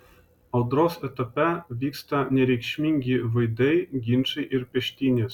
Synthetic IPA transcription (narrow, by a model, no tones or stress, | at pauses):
ɑlˠd̪rosĕt̪ɤ̆pʲævʲikst̪ɑnʲeɾʲekʲɕmʲiŋʲɡʲiʋɯjd̪ʲɘjɡʲinʂɘʔirʲpʲɘ̆ɕt̪ʲinʲĕ